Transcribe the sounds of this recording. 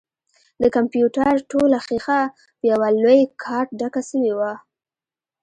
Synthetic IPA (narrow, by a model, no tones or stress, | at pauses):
d̪əkampjuʈaɾʈolaxixa | pjawalojkʰɑɾʈ̚ɖakasəwewa